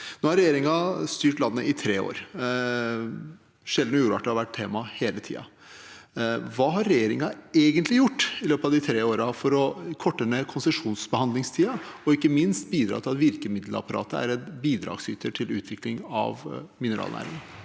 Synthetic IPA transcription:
noːhɑɾɛjeːɾɪŋɑst̪yːʈlɑnːə̰ʔɪt̪ʰɾeːo̰ːɾ | ʂɛld̪n̩ɔjuːɾʋɑʈːəɑʋæʈ̚t̪ʰeːmɑheːlət̪ʰḭːɑ̰ | ʋɑːɦɑɾːɛjeːɾɪŋɑeːɡənt̪lɪjʊʈːɪløːpɑʋd̪ɪt̪ʰɾeːoːɾɑfɔɾɔkʰɔʈːənəkʰʊnsəʂuːnsbəhɑnd̪lɪŋst̪ʰiːɑɔɪkːəmɪnst̪̚biːd̪ɾɑ̰ːt̪ʰɪlɑt̪ʋɪɾkəmɪd̪l̩əɑ̰pɑɾɑ̰ːt̪əæ̰ɾɛt̪biːd̪ɾɑ̰ːɡsyːt̪ʰəʈʰɪlʉːt̪ʰʋɪklɪŋɑ̰ʋmɪnəɾɑ̰ːlnæ̰ːɾɪ̰ŋɑ

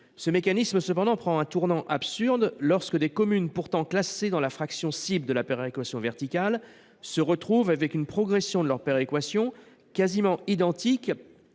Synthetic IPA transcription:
səmekanisməsəpɑ̃d̪ɑ̃pχɑ̃ɛ̃t̪uʁnɑ̃ʔapsyʁd̪lɔʁskəd̪ekɔmynpuʁt̪ɑ̃klased̪ɑ̃lafχaksjɔ̃sibld̪əlapeʁekwasjɔ̃vɛʁt̪ikal | səʁət̪χuvavɛkynpχɔɡʁɛsjɔ̃d̪əlœʁpeʁekwasjɔ̃ | kazimɑ̃id̪ɑ̃t̪ik

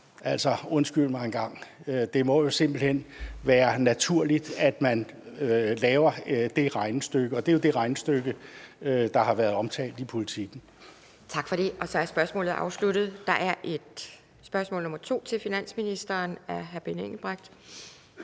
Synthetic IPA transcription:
æl̰sɒ̽ɔ̽nsɡ̥yl̰mɑ̈e̝nɡ̥ɑ̈ŋ̰ | ød̥e̝mɒ̽jo̝se̝m̰b̥l̩hen̰ʋæːɐnæt͡sʰuɐ̰lid̥æd̥mænølɛːʊɐd̥e̝ʁɑ̈ɪnəsd̥øɡ̥əɒ̽d̥e̝jo̝d̥e̝ʁɑ̈ɪnəsd̥øɡ̥əød̥ɑ̈hɑ̈ʋæːɐðˠɒ̽mt͡sʰɛ̰ːld̥ipʰo̝lit͡sʰiɡ̥n̩ | t͡sʰɑ̈ɡ̥fɒ̽ɾ̥e̝ʔɒ̽sɒ̽æɐsb̥ɶɐsmɔ̰̽ːlð̩ˠʔɑ̈ʊsluɾ̥ð̩ˠd̥ɑ̈ʔæɐʔe̝d̥ | sb̥ɶɐsmɔ̰ːlnɔ̽mɐt͡sʰo̝̰ːt͡sʰe̝lfinæn̰sminisd̥ɐːnæɐɦæɐb̥eneŋ̰l̩b̥ʁaɡ̥̚d̥

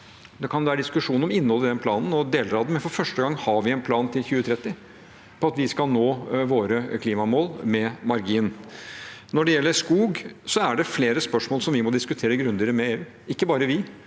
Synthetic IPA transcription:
d̪ɛkʰɑnʋæːɾəɖd̪ɪskʉʂuːɔmɪnːɔlːəd̪ɛnpʰlɑːnn̩ɔd̪eːlɾɑːd̪̩mɛnfɔɾfœʂʈəɡɑŋːhɑɾʋɪɛnpʰlɑːnt̪ʰɪlçʉːət̪ʰɾɛt̪ːɪ | pʰɔɑt̪ʋɪskɑlnoːʋoːɾəkʰliːmɑmoːlmɛmɑɾɡiːn | nɔɖɛjɛlːəɾskuːɡsɔæɖɛfleːɾəspœʂmoːlsɔmʋɪmɔd̪ɪskʉt̪ʰeːɾəɡɾʉnd̪ɪɾəmɛeːʉː | ɪkːəbɑːɾəʋɪ

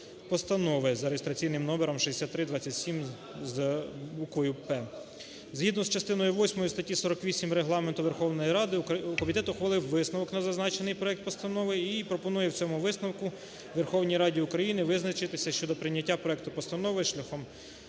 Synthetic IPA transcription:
pɔst̪ɐnɔʋɪzɐɾejest̪ɾɐt͡sʲijnɪmnɔbeɾɔmʃɛdesʲat̪t̪ːɾɪd̪ʋɑt͡sʲːɐtʲsʲim | zbukʋɔjʊpɛ | zɦid̪nɔzt͡ʃɐst̪ɪnɔjʊʋɔsʲmɔjust̪ɐtʲisɔɾɔkʋʲisʲimɾeɦlˠɑment̪ʊʋerxɔwnɔjiɾɑd̪ɪukɔmʲit̪ɛt̪ʊxʋɐlˠɪwʋɪsnɐʋɔknɐzɐznɑt͡ʃenɪjpɾɔɛk̚t̪̚pɔst̪ɐnɔʋɪipɾɔpɔnujɛwt͡sʲɔmʊʋɪsnɐwkʊ | ʋerxɔwnʲijɾɑdʲiʊkɾɐjinɪʋɪznɐt͡ʃɪt̪ɪsʲɐʃt͡ʃɔd̪ɔpɾɪnʲːɐtʲːapɾɔɛk̚t̪ʊpɔst̪ɐnɔʋɪʃlʲɐxɔm

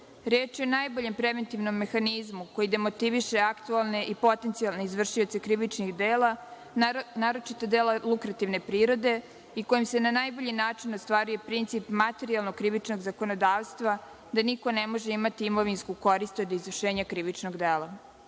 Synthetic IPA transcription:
ɾjeːt͡ʃieonaːjbo̞ʎe̞mpɾeʋe̞nt̪iʋno̞mːe̞xanizmuko̞jid̪e̞mo̞t̪iʋiʃeakt̪ualˠne̞ʔipo̞t̪e̞nt̪sialˠne̞izʋr̩ʃiot̪sekɾiʋit͡ʃnixd̪eːla | naːɾo̞t͡ʃit̪od̪eːlalukɾat̪iʋne̞pɾiːɾo̞d̪e̞ | iko̞jimse̞nanajbo̞ʎinaːt͡ʃinost̪ʋaːɾujepɾint̪sipmat̪e̞ɾialˠno̞ɡkɾiʋit͡ʃnoɡzako̞nod̪aːʋst̪ʋa | d̪aniko̞nemo̞ʒeimat̪iimo̞ʋinskuko̞ɾist̪od̪izʋr̩ʃeːɲakɾiʋit͡ʃno̞ɡd̪eːlˠa

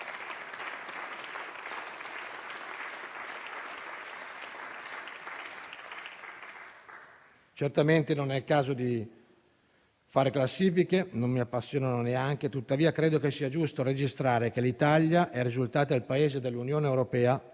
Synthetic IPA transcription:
t͡ʃert̪ament̪enonɛkːaːzod̪i | faːɾeklasːiːfikenommːiapːasːjoːnanoneaŋk̟et̪ut̪ːaviːakɾeːd̪okesːiːad͡ʒust̪ored͡ʒist̪ɾaːɾekelit̪aʎjaʔɛrːizult̪aːt̪od̪elpaeːzed̪elːunjoːneːwɾopɛːa

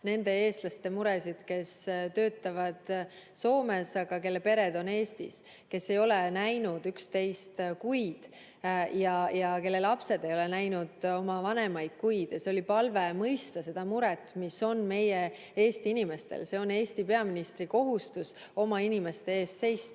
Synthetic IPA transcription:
ne̞nd̪e̞e̞ːst̪lɑst̪e̞muɾesid̪̥ke̞st̪ø̞ːt̪ːˑɑvɑd̪̥ | so̞ːme̞sɑɡ̥ɑke̞lːe̞pe̞ɾe̞d̪̥o̞ne̞ːst̪ḭs | ke̞sːe̞jo̞lenæjnud̪̥ykst̪e̞jst̪kujd̪̥ | jɑjɑke̞lːe̞lɑpse̞d̪̥e̞jo̞lenæjnud̪̥o̞mɑvɑnemɑjd̪̥̚kujd̪̥jɑseo̞lipɑlve̞mɤjst̪ɑse̞d̪̥ɑmuɾɛt̪ˑːmiso̞nme̞je | eːst̪iinime̞st̪e̞̰lse̞o̞ne̞ːst̪ipe̞ɑminist̪ɾiko̞ɦust̪us | o̞mɑinime̞st̪e̞eːst̪se̞jst̪

